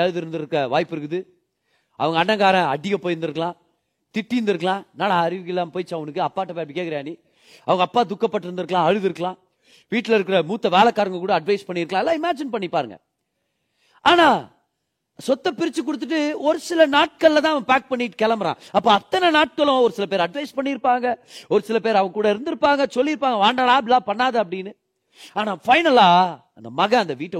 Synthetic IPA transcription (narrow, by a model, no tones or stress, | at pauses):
ɐɻɯðɪɾɯnd̪ɪɾɯkːɾɐʋaːjɪpːɪɾɯkːɯðɯ | ɐ̰ʋɐŋɡɐɳːɐŋɡaːɾɐ̃ɐɖɪjɐpoːjɪɾɯnd̪ɯɾɯkːɐɭãː | t̪ɪʈːɪɯnd̪ɪɾɯkːɐɭãːnaːnaɐɾɪʋɯkːɪlːaːmpoːjɪt͡ʃːɐʋɐnɯkːɯɐpːaːʈːɐpejɐpɽikeːkɪɾɐʋeːni | ɐʋɐŋɡɐːpːaːd̪ʊkːɐpːɐʈːɪɾɯnd̪ɯɾɯkːɐɭãːɐɻɯðɪɾɯkːɐɭãː | ʋiːʈːɪlɪɾɯkːɪɾɐmuːt̪ːɐʋeːlɐkːaːɾɐŋɡɐkuːɽɐːɖʋɐɪspɐɳːɪɾɯkːɭlãːɛlːãːɪmaːd͡ʒɪnpɐɳːipːaːɾɯŋɡɐ̰ | ʔaːnaː | sɔt̪ːɐpɪɾɪt͡ʃːɯk̬ːʊɽɯt̪ːɯʈ̬ːɯɔɾɯsɪlɐnaːʈ̚kɐɭːɐt̪̬ãːɐʋɐŋɡɐpaːk̚pɐɳːɪʈːɯ̥kɛlɐmɐɾã̰ːɐpːoːɐt̪ːɐnɛnaːʈ̚kɐɭʊ̃ɔɾɯsɪlɐpeːɾɐɖʋɐɪspɐɳːɪɾɯpːaːŋɡɐɔɾɯsɪlɐpeːɾɐʋɐŋɡɐkuːɽɐɪɾɯnd̪ɪɾɯpːaːŋɡɐsɔlːiɪɾɯpːaːŋɡɐʋaːɳɖaːɭaːbɪlaːpɐɳːaːðɐɐp̬ːɐɽɪnːɯ | aːnaːfɐɪnɐlaːɐnd̪ɐmɐɣɐ̃ɐnd̪ɐʋiːʈː